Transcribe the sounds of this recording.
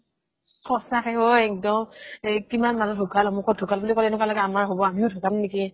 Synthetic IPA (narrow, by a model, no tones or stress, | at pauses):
kʰɔsakɛɦojɛk̚dɔmkimanmanudʱuɡalɔmukʰɔdʱukalbulikɔlɛnɛkwalɔɡɛamaɹɦobɔamiʊdʱuɡamneki